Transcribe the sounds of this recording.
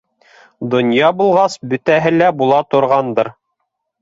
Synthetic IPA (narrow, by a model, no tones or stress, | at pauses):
d̪ŏnjɑbulˠʁɑsbɵ̆t̪æɦɘlæbulˠɑt̪ŏɾʁɑnd̪ɤɾ